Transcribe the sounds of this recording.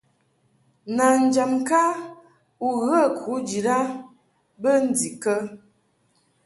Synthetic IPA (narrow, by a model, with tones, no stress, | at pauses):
na˨n̩˨d͡ʒa˨mka˦ | u˨ɣə˦˨kʰu˨˦d͡ʒi˨ɾa˦ | bə˦n̩˦di˨kə˦